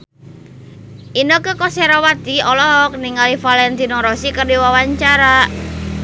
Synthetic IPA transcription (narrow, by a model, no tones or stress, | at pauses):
ʔinokəkɔsɛɾawat̪iɔlɔɦɔk̚niŋalifalɛnt̪inɔɾɔsikərdiwawaɲt͡ʃaɾa